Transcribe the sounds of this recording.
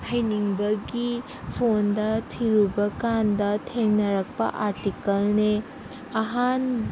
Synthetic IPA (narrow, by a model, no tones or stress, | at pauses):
hɐjniŋbɐɡi | pʰondɐtʰiɾubɐkandɐtʰeŋnɐɾɐk̚pɐ̰ʔaɾtikɐlne | ɐɦan